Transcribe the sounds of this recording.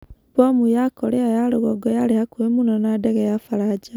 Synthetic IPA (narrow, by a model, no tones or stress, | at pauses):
bomujakoleajaɾoɣɔɡɔjaɾehakuemunonadeɣejafaɾad͡ʒa